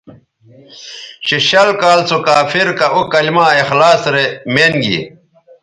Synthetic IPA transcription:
ɕiɕɐlkaːlt͡sukaːfiɾkɐʔokɐlimaːexlaːsɾemenɡḭ

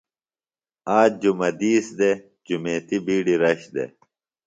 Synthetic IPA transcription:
aːd͡ʑumɐd̪iːsd̪e | d͡ʑumeːt̪ibiːɖiɾɐɕd̪ḛ

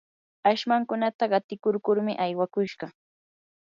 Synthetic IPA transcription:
aʃmaŋkʊnat̪aɢɑt̪ɪkʊɾkʊɾmɪ̰ʔajwakʊʃɢɑ

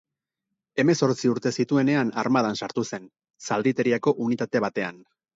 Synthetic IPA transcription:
e̞me̞so̞ɾt͡siuɾt̪e̞sit̪ue̞ne̞ana̰ɾmað̞ansaɾt̪use̞n | sald̪it̪eɾiako̞ʔunit̪at̪e̞β̞at̪e̞a̰n

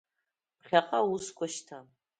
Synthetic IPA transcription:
pχʲaqʼauskʷʰaʃtʰa

